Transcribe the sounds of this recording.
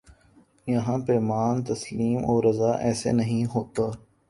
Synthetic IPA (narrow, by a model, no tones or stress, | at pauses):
jɐɦãpeːmaːnt̪ɐsliːmoːɾɐzaːʔɛːsḛnɐɦĩɦoːt̪aː